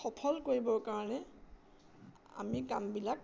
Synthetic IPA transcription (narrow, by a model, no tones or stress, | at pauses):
xɔpʰɔlkoɹibɔɹkaɹɔnɛ | a̰mikambilak̚